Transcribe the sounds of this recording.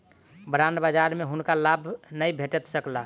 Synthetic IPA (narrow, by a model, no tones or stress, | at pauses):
bɾanbəd͡ʒaɾmeɦunkalabʱnəjbʱeʈət̪səkla